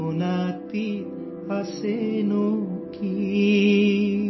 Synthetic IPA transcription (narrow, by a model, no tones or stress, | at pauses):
onat̪i | pasenoki